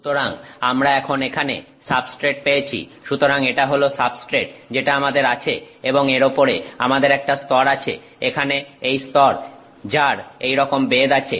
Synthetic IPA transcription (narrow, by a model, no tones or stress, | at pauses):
ʃu̥t̪oɾaŋamɾaɛkʰonekʰanḛ | sabsʈɾeʈ̚peet͡ɕʰḭʃut̪oɾaŋeʈaɦolosabsʈɾeʈ̚d͡ʑeʈaamad̪eɾat͡ɕʰe | eboŋeɾopoɾeamad̪eɾɛk̚ʈast̪ɔɾat͡ɕʰḛ | ekʰaneejst̪ɔɾ | d͡ʑaɾejɾɔkombed̪at͡ɕʰḛ